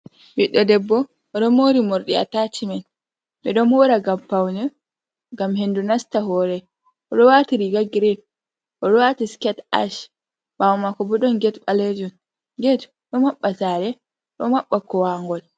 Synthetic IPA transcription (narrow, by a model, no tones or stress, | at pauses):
biɗːɔdɛbːɔ | ɗɔmoɾimoɾɗia̰tat͡ʃimɛn | ɓɛɗɔmhɔɾaɡampawnɛ | ɡamɦendunastaɦɔːɾɛ | ɔɗɔwatiɾiɡaɡɾin | ʔɔɗɔwatiskɛta̰ʃ | bawmakɔbuɗɔnɡɛtɓaled͡ʒɔn | ɡet | ɗɔmaɓːasaɾɛ | ɗɔmaɓːakɔwaŋɡɔl